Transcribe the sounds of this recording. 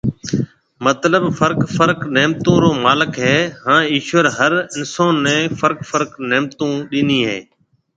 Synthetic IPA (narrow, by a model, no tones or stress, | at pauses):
mət̪ləbfəɾkfəɾkneːmt̪õːɾoːmaːlɪkɦɛːɦãːiːʃʋəɾɦəɾɪnsoːnːɛ̃ːfəɾkfʰəɾknɛːmt̪õːɗɪniːɦḛː